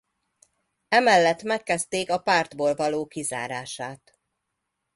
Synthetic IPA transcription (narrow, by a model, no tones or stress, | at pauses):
ɛmɛlːɛt̪ːmɛkːɛst̪eːkɒpaːrd̪boːlvɒloːkiza̰ːɾaːʃaːt̪